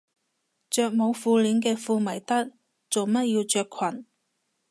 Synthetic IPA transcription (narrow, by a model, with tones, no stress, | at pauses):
t͡ʃœː˧k̚mo˨˧wfuː˧liː˨˧nkɛː˧fuː˧mɐ˨˩jt̪ɐ˥k̚ | t͡so˨wmɐ˥t̚jiː˧wt͡ʃœː˧kʰwɐ˨˩n